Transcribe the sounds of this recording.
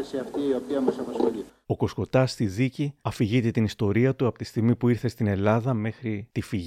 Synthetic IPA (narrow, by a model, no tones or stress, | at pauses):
esiɐft̪iio̞piɐmɐsɐpɐsxo̞li | o̞ko̞sko̞t̪ɐst̪iðiciɐfiʝit̪e̞t̪inist̪o̞ɾiɐt̪uɐpo̞t̪i̥st̪iɣmipuiɾθe̞st̪ine̞lɐðɐme̞xɾit̪ifiʝ